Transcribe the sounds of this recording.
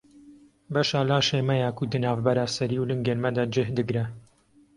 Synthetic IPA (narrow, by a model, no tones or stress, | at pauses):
bɐʃaːlaːʃeːmɐjaːkud̪ɨnaːvbɐɾaːsɐɾiːwlɨŋɡeɾmɐd̪aːd͡ʒɨhd̪ɨɡɾɐ